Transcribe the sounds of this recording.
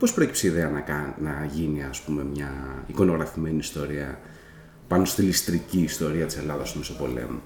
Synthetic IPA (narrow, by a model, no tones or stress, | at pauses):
po̞spɾo̞ecipseiðe̞ɐnɐkɐnɐʝiniɐspume̞mɲɐiko̞no̞ɣɾɐfime̞niːst̪o̞ɾiɐ̰ | pɐno̞st̪ilist̪ɾiciːst̪o̞ɾiɐt̪i̥se̞lɐðɐst̪umesopo̞lḛmu